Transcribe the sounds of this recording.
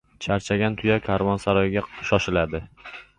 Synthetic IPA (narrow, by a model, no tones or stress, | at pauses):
t͡ʃʰaɾt͡ʃʰaɡʲant̪ʰʊjakʲʰaɾvɒnsaɾɒjɡʲaʃɒʃɪlad̪ɪ